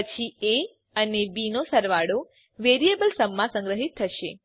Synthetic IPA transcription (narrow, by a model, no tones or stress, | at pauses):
pət͡ʃʰie | ənebinosəɾʋaɽo | ʋeɾiebəlsəmːãsə̃ŋɡɾəɦit̪ʰːəʃḛ